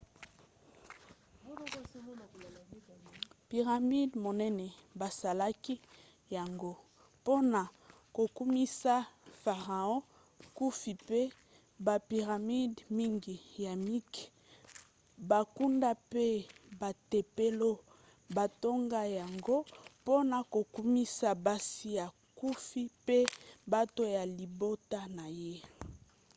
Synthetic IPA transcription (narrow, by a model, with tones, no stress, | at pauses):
pi˨ʁa˨mi˦dmo˨nɛ˦nɛ˨ba˨sa˨la˦ki˦ | ja˨ŋɡo˦ | po˦na˨ | ko˨ku˦mi˦sa˦fa˨ʁa˨ɔ̃˦ | ku˦fi˨pe˦ | ba˨pi˨ʁa˨mi˦dmi˦ŋɡi˨ja˨mi˦k | ba˨ku˦nda˦pe˦ba˨te˨pe˦lo˦ | ba˨to˦ŋɡa˦ja˨ŋɡo˦po˦na˨ko˨ku˦mi˦sa˦ba˦si˦ja˨ | ku˦fi˦pe˦ba˦to˦ja˨li˨bo˦ta˦na˨je˦